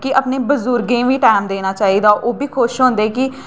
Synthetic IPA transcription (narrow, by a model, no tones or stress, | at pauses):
kɪəpneːbəzʊɾɡẽːʋiːʈaːmd̪eːnaːt͡ʃaːɦiːd̪aːʔoːbiːkʰoːɪʃɦõːnd̪eːkɪ